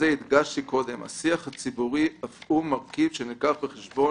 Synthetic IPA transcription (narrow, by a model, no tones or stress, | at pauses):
eid̪ɡaʃtiko̞d̪e̞ma̰siaχhat͡sibuʁiafʔumaʁkivʃenikaχbeχeʃbo̞